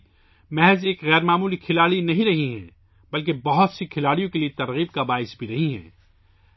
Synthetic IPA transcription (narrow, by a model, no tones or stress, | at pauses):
mɛɦɛzeːkɣɛːɾmaːmuːlikʰɪlaːɽinɐɦĩɾɐɦiɦɛ̰̃ː | bɐlk̬ebɐɦʊt̪sikʰɪlaːɽijõkeliet̪ɐɾɣiːb̚kabaːɪsbʱiɾɐɦiɦɛ̰̃ː